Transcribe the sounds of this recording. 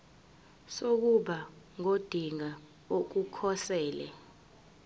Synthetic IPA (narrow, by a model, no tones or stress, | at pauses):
sok̬uɓa | ŋod̥ʱiŋa | ok̬ukʰɔsɛːlɛ̰